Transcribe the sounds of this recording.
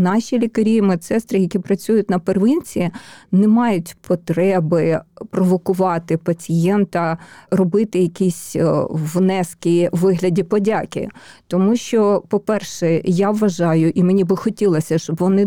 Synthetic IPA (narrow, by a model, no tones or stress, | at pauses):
nɑʃʲilʲikɐɾʲijmɛt̪sɛst̪ɾɪjɐkʲipɾɐt͡sʲujʊtʲnɐperʋɪnʲt͡sʲiinɛmɑjʊtʲpʰɔt̪ɾɛbɪpɾɔʋɔkʊʋɑt̪ɪpɐt͡sʲijɛnt̪ɐrɔbɪt̪ɪjɐkʲisʲʋnɛskʲiʋɪɦlʲɐdʲipɔdʲakʲɪ̰t̪ɔmuʃt͡ʃɔpɔpɛrʃɛjaʋːɐʒɑjʊʔimenʲibɪxɔtʲilˠɐsʲɐʃt͡ʃɔbʋɔnɪ